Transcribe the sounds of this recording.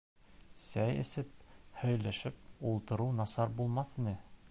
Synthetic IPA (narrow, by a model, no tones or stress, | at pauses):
sæjɘ̰̆sɘp̚hɵ̆jlæʃɘp̚ulˠt̪ɤ̆ɾuwnɑsɑɾbulˠmɑθinɘ